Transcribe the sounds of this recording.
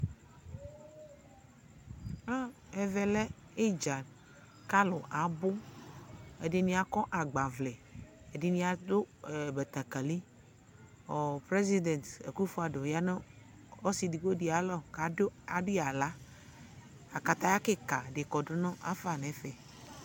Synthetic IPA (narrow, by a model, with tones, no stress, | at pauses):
a˦ɛ˨vɛ˨lɛ˦ | e˦d͡ʒa˨ | ka˦lʊ˨ʔa˨bʊ˦ | ḛ˨dɪ˨nĩ˦a˨kɔ˦ʔa˨ɡ͡ba˨vlɛ˨ | e˨di˨nĩ˨a˨dʊ˦˨be˨t̪a˨ka˨li˦ | ɔ˨pɾe˦zi˦d̪ɛ˨nt̪ḛ˨ku˦fo˦a˨ɖo˨ja˦ne˦ | ɔ˦si˨di˨ɡo˦di˨a˨lɔ˦ka˨˦a˨dɪ˦a˨la˨˦ | a˨ka˨t̪a˦ja˦ke˦ka˨ɖe˨kɔ˨ɖʊ˨nɔ̃˦ʔa̰˦fa˨nɛ̃˨˦fɛ˨